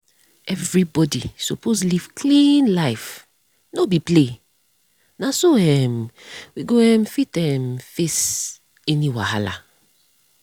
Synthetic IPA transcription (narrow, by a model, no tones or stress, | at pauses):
ɛvɹibɔdḭsoposliv̥kʰlĩnlaɪf | nobiple | nasoɛmwiɡoɛmfitɛmfes | ɛniwa̰ha̰la̰